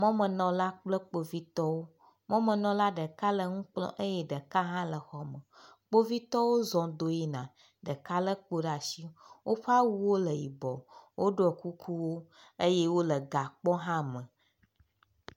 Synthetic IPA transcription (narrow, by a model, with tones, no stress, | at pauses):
mɔ̃˦mə̃˨nɔ̃˨la˦k͡plə˦k͡po˦vi˦t̪ɔ˦wo˦ | mɔ̃˦mə̃˨nɔ̃˨la˦ɖə˨ka˦lə˨ŋũ˦k͡plɔ̰̃˦ʔə˦jɛ˦ɖə˨ka˦ɦã˦lə˨xɔ˦mə̃˨k͡po˦vi˦t̪ɔ˦wo˦zɔ̃˨d̪o˦ji˦nã˨ | ɖə˨ka˦lə˦k͡po˦ɖa˨si˦wʔo˦ɸa˦wu˦wo˦lə˨ji˨bɔ˨wʔo˦ɖo˦ɛ˨ku˦kʰu˦wo˦ | e˦je˦wo˦lə˨ɡa˨k͡pɔ̃˦ɦã˦mə̃˨